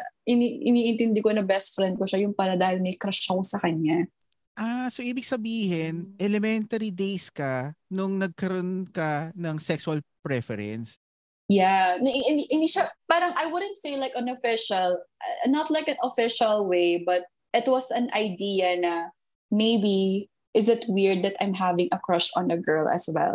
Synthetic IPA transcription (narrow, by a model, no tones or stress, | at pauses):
ʔɪniʔɪniːʔɪnt̪ɪnd̪ɪkonɐbɛst̪̚fɾɛnd̪̚koʃaɐjʊŋpaːɾɐd̪aːhɪlmɐjkɾɐʃɐkosɐkɐɲːa | ʔasoʔiːbɪɡsɐbiːhɪnʔɛlɛmɛnt̪ɐɾid̪ejskɐnʊŋnɐɡ̚kɐɾʔonkɐnɐŋsɛksʊɐlpɾɛfɛɾɛ̰ns | janɪ̃nd̪iʔɪ̃nd̪iʃapaːɾɐŋajwʊd̪ə̃nt̪seɪlajkɐ̃nofɪʃɐlʔnɐt̪laɪkɐ̃nɔfɪʃɐlˠweɪbɐt̪̚ | ʔɪt̪wʌsɐ̃nʔɐjd̪iɐnɐ | meɪbi | ʔɪzɪt̪wɪɹd̪̚ːɐt̪ãj̃mɦavɪ̃ŋʔɐkɹʌʃɔ̃nəɡɜ˞lʔɐ̰swɛ̰l